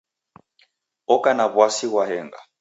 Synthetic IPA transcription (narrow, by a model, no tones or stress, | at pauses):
ɔkʼanaβwasiɣwaɦɛːŋɡa̰